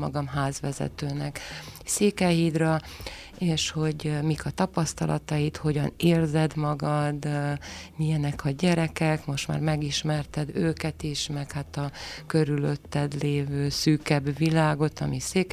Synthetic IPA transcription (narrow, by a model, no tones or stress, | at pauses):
ɒɡɒmɦaːzʋɛzɛ̰t̪øːnɛkseːkɛjid̪rɒ | eːʃho̞ɟmikʰɒt̪ɒpɒst̪ɒlʔɒt̪ɒjit̪ho̞ɟɒneːrzɛd̪mɒɡɒd̪ | mijɛnɛkʰɒɟɛɾɛkɛkmo̞ʃt̪ma̰ːrmɛɡiʃmɛrt̪ɛd̪øːkɛt̪iʃmɛkhat̪ɒkø̞ɾyløt̪ːɛd̪leːvøːsyːkɛbːilaːɡo̞t̪ɒ̰miseːk